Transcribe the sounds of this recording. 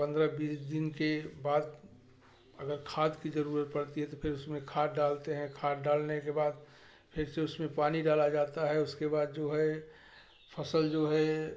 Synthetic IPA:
pə̃nd̪ɾəbiːsd̪ɪnkebaːd̪ | əɡəɾkʰaːd̪kid͡ʒəɾuːɾət̪̚pəɽt̪iɦɛt̪opʰɪɾʊsmẽkʰaːd̪ɖaːlt̪eɦɛ̃kʰaːd̪ɖaːlnekebaːd̪̚ | pʰɪɾseʊsmẽpaːniɖaːlad͡ʒaːt̪aɦɛʊskebaːd̪̚d͡ʒoːɦɛ | pʰəsəld͡ʒoːɦɛ

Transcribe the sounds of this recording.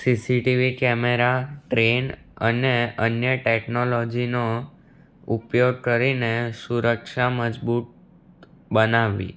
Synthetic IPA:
sisiʈiʋikɛmeɾaʈɾen | ə̰neənjəʈeknolod͡ʒino | upjoɡ̚kəɾinesuɾəkʃaməd͡ʒbut̪̚ | bənaʋḭ

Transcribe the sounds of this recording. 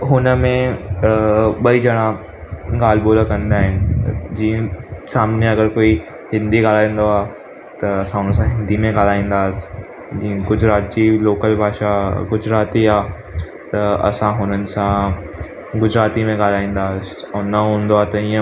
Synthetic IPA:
ɦʊnəmẽ | ɓɐid͡ʑɐɽ̃a | ɠaːl̤boːlakɐ̃nd̪aːɦɪnɪ̆d͡ʑiːə̃saːmnjeɐɡəɾkoːi | hɪ̃nd̪iɡaːl̤aːĩːn̆d̪oaː | t̪ɐɐsãɦʊnənsãɦɪ̃nd̪imẽɠaːl̤aːĩːn̆d̪aːɪs | d͡ʑĩːə̃kʊd͡ʑʱɾaːt̪̚d͡ʑiloːkəlbʱaːʃaɡʊd͡ʑɾaːt̪iaː | t̪ɐɐ̰sãɦʊnənɪ̆sã | ɡʊd͡ʑɾaːt̪imẽɠaːl̤aːĩːn̆d̪aːɪs | ʊnɐɦũːnd̪oaːet̪ɐĩːə̃

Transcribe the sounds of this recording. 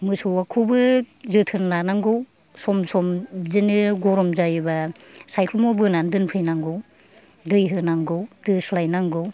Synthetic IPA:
mɯsɔwakʰubɯzɯtʰɯnlanaŋɡɯw | sɔmsɔmzɯnɯɡɔɾɔmzajba | sajkʰlɔmɔbɯnandɯnpʰɯjnaŋɡɯw | dɯjɦɯnaŋɡɯwdɯslajnaŋɡɯw

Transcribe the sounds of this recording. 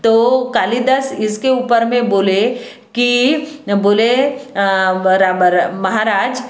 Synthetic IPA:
t̪okaːlid̪əsɪskeuːpəɾmẽboːle | kiboːle | ɾamɐɦaɾaːd͡ʒ

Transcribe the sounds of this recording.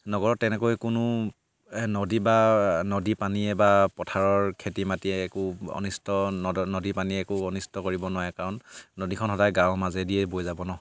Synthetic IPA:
nɔɡɔɹɔtːɛnɛkojkʊnʊ | nɔdibanɔdipaniɛbapɔtʰaɹɔɹkʰetimatiɛːkʊɔ̰nistɔnnɔdipaniɛɛkʊɔnistɔkoɹibɔnʊajɛkaɹɔnːɔdikʰɔnxɔdajɡãw̃mazɛdiɛbojzabɔnɔ

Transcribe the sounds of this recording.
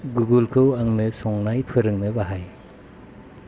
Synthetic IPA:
ɡuɡulkʰɯwaŋnɯsɔŋnajpʰɯɾɯŋnɯbaɦaj

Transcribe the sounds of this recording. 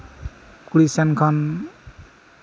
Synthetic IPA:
kuɽisankʰʌn

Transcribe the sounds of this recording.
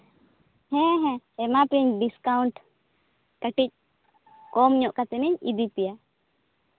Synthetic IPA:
hɛ̃ɦɛ̃ɛmapiɲɖiskawuɳʈ | kəʈic̚ | kɔmɲɔʔkat̪ɛniɲid̪ipija

